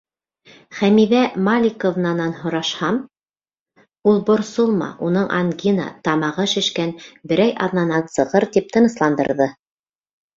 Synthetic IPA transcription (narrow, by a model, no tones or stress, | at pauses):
χæmiðæmalʲikovnɑnɑnhŏɾɑʃhɑm | ulˠbŏɾsolˠmɑ̰ʔunɤɴʔɑ̰ŋɡʲinɑ̰t̪ɑmɑʁɤʃɘ̆ʃkænbɘ̆ɾæjɑðnɑnɑnsɤ̆ʁɤɾt̪ip̚t̪ɤ̆nɤ̆slˠɑnd̪ɤ̰̆ɾðɤ